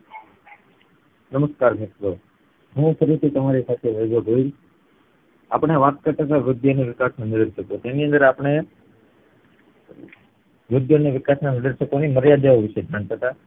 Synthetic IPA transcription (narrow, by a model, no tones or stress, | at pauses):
nəməskaɾbʱekɾo | ɦũfʰəɾit̪ʰit̪əmaɾisat̪ʰeʋəd͡ʒoɡoil | a̰pɳ̃eʋat̪̚kəɾt̪at̪aʋɾʊd̪joneʋɪkasnanəɾəɾʃəkot̪eniə̃nd̪əɾapɳ̃e | ʋɾʊd̪joneʋɪkasnanəd̪əɾʃəkoniməɾjad̪aoʋɪʃed͡ʒʱãɳt̪ʰət̪a